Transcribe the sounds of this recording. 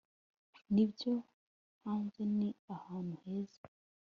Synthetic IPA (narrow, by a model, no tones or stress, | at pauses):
nibjo | haːnzeniahaːnuheːze